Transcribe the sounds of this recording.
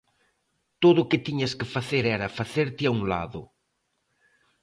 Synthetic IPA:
t̪oðʊkɪt̪iɲɐskɪfaθeɾɛɾɐfaθeɾt̪ɪauŋla̰ðʊ̰

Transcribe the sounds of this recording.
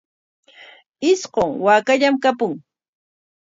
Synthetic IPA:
ɪsqoŋwaːkaʎamkapʊŋ

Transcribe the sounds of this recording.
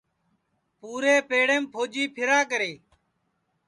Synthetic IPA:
puːɾeːpeːɽeːmpʰoːd͡ʒiːpʰɪɾaːkəɾeː

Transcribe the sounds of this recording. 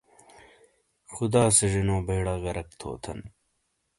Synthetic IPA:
xud̪aːsɐʐinõːbʱeːɽaːɣɐɾɐk̚t̪ʰo̰ːt̪ʰɐn

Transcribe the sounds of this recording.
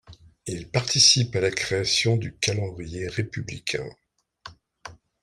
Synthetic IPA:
ilpaʁt̪isipalakχeasjɔ̃d̪ykalɑ̃d̪ʁijeʁepyblḭkʲʰɛ̰̃

